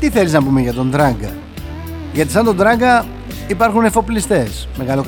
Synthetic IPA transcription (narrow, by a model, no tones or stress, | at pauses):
t̪iθeliznɐpume̞ʝɐt̪o̞nd̪ɾɐŋɡɐ̰ | ʝɐt̪isɐnd̪o̞nd̪ɾɐŋɡɐ | ipɐɾxune̞fo̞plist̪e̞s | meɣɐlok